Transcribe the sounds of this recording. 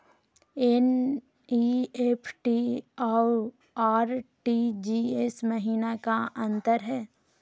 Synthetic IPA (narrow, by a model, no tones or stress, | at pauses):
en | iːepʰʈia | aːɾʈid͡ʒiesməɦiːnakaʔɐ̃nt̪əɾɦɛː